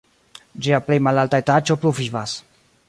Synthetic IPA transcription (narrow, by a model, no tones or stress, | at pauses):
d͡ʒiaple̞jmalaltaetat͡ʃopluvivas